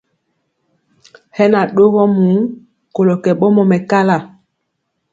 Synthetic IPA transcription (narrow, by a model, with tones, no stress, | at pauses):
hɛ˦na˨ɗo˦ɣɔ˦mu˨˦ | ko˨lo˨kɛ˨ɓɔ˦mɔ˨mɛ˨ka˦la˦˨